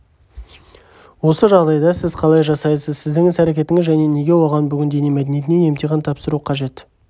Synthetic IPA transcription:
wo̞səʒɑʁd̪ɑjd̪ɑsɪzqʰɑlˠɑjʒɑsɑjəsəzsɪzd̪ɪŋɪzæɾekʲe̞t̪ɪŋɪzʒæne̞ne̞ɡʲe̞woʁɑnbʏɡʲɪnd̪e̞ne̞mæd̪enije̞t̪ɪnene̞mt̪eʁɪnt̪ʰɑpsəɾuqʰɑʒe̞t̪

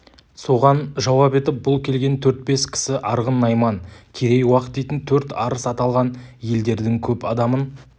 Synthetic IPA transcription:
so̞ʁɑnʒɑwɑpe̞t̪ɪp̚bʊlˠkʲʰe̞lɡʲe̞nt̪ʰɵɾt̪̚be̞skʲʰɪ̥sɪʔɑɾʁənːɑjmɑnkʲʰe̞ɾe̞jwɑqət̪d̪e̞jt̪ɪnt̪ʰɵɾt̪ɑɾəsɑt̪ɑlˠʁɑnje̞ld̪e̞ɾd̪ɪŋkʲʰɵpɑd̪ɑmən

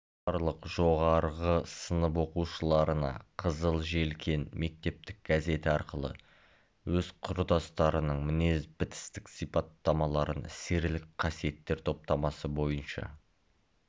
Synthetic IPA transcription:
bɑɾlˠəqʒ̥o̞ʁɑɾʁəsənəp̬wo̞quʃəlˠɑɾənɑ̰qʰəzəlˠʒe̞lkʲʰe̞nme̞k̚t̪e̞p̚t̪ɪk̚ɡ̥aze̞t̪ɪɑɾqəlˠə̰ | wɵzqʰʊɾd̪ɑst̪ɑɾənəɴmɪne̞zbɪt̪ɪ̥st̪ɪksijpɑt̪ːɑmɑlˠɑɾənɪse̞ɾlɪkqʰɑsije̞t̪ːe̞ɾt̪ʰo̞p̚t̪ɑmɑsəbo̞jənʃɑ̰

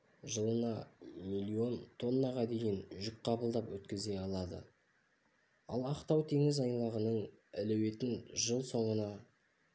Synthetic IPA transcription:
ʒəlˠənɑmilʲˠːio̞nt̪ʰo̞nːɑʁɑd̪e̞jɪnʒʏk̚qʰɑbəlˠd̪ɑpwɵt̪kʲɪze̞ɑlˠɑd̪ə̰ | ɑ̰lˠɑqt̪ɑwt̪ʰe̞ŋɪzɑjlˠɑʁənəɴælæwe̞t̪ɪnʒəlˠso̞ɴənɑ

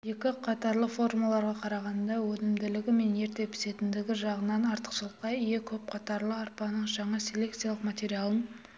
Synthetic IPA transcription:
je̞kʲɪqʰɑt̪ɑɾlˠəfo̞rmulˠɑɾʁɑqʰɑɾɑʁɑnd̪ɑwɵnɪmd̪ɪlɪɡʲɪme̞nje̞ɾt̪e̞pʰɪ̥se̞t̪ɪnd̪ɪɡʲɪʒɑʁənɑnɑɾt̪ə̥qʃəlˠqɑjijekʲʰɵp̚qʰɑt̪ɑɾlˠəɑɾpɑnəɴʒɑɴɑsʲe̞le̞kt̪sijalˠəqmat̪e̞ɾʲijalˠən

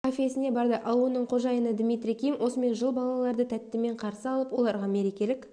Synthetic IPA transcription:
ofʲjesɪne̞bɑɾd̪əʔɑwuənəɴqʰo̞ʒɑjənəd̪mʲijt̪ɾʲijkʲʰijmwʔo̞səme̞nʒəlˠbɑlˠɑlˠɑɾd̪ət̪ʰæt̪ːɪme̞ɴqʰɑɾsəɑlˠəpwo̞lˠɑɾʁɑme̞ɾe̞kʲe̞lɪk

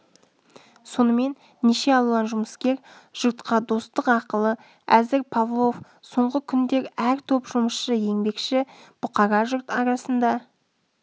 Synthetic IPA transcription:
so̞nəme̞nːeʃe̞ɑlˠuɑnʒʊməskʲe̞ɾ | ʒ̥ʊɾt̪qɑd̪o̞st̪əqɑqəlˠə | æzɪɾpʰavlˠo̞f | so̞ɴʁəkʲʰʏnd̪e̞ɾæɾt̪ʰɵpʒ̥ʊməsʃəje̞ŋbe̞kʃɪb̥ʊqɑɾɑʒʊɾt̪ɑɾɑsənd̪ɑ

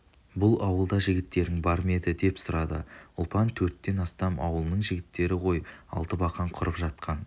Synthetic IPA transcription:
bʊlˠɑwəlˠd̪ɑʒɪɡʲɪt̪ːe̞ɾɪŋbɑɾme̞d̪ɪd̪e̞psʊɾɑd̪ə̰ʊlˠpɑnt̪ʰɵɾt̪ːe̞nɑst̪ɑmɑ̰wəlˠnəɴʒɪɡʲɪt̪ːe̞ɾɪqo̞jɑ̰lˠt̪əbɑqɑɴqʰʊɾəpʒɑt̪̚qʰɑn

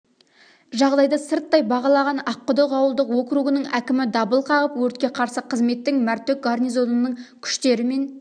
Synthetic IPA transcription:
ʒɑʁd̪ɑjd̪ɑsɪɾt̪ːɑjbɑʁɑlˠɑʁɑnɑqːʊd̪əqɑwəlˠd̪əqwo̞kɾuʁənəɴækʲɪmɪd̪ɑbəlˠqʰɑʁəpwɵɾt̪̚kʲe̞qʰɑɾsəqʰəzme̞t̪ːɪŋmæɾt̪ek̚ɡarnijzo̞nənəɴkʲʰʏ̥ʃt̪e̞ɾɪme̞n

